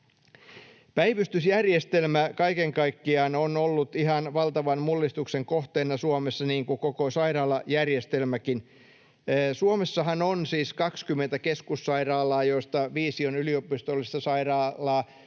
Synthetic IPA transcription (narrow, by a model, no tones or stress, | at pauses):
pæiʋyst̪ysjærjest̪e̞lmækɑikeŋkɑikːiɑːnonolːut̪iɦɑnʋɑlt̪ɑʋɑnmulːist̪ukseŋkoht̪eːnːɑsuomesːɑniːŋkukokosɑiɾɑːlɑjærjest̪e̞lmækinː | suomesːɑɦɑnonsiːskɑkskymːent̪ækeskusːɑirɑːlːɑːjo̞ist̪ɑʋiːsionyliopist̪olːist̪ɑsɑirɑːlːɑː